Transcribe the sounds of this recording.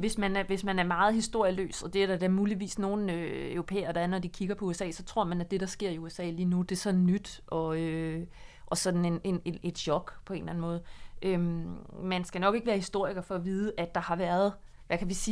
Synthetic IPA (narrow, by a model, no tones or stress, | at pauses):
ʋe̝smænʋe̝smænæɐmɑ̈ːð̞̩ˠhisd̥o̝ɐ̰jəlø̰ːsɒ̽d̥e̝æɐd̥ɑd̥æɐmuːliʋḭːsno̝ːn̩øøʊʁo̝pʰḛːɐɾ̥ɑ̈æɐnɒd̥ikʰiɡ̥ɐpʰɒuesɛ̰ːsɒ̽t͡sʰʁo̝ɐ̰mænæd̥e̝ɾ̥ɑ̈sɡ̥e̝ɐ̰iuesɛ̰ːliːnud̥e̝sɒ̽n̥n̩nyd̥ʔɒ̽ø | ʔɒ̽sɒ̽d̥n̩e̝ne̝nee̝d̥ɕɒ̽ɡ̥pʰɒ̽e̝ːnlæn̩mɔ̽ːð̩ˠʔømmænsɡ̥ænɒ̽ɡ̥e̝ɡ̥əʋæːɐhisd̥o̝ɐ̰iɡ̥ɐfɒ̽ʋiːð̞ˠəʔæd̥ɑ̈hɑ̈ʋæːɐð̞ˠ | ʋʔækʰæʋisiː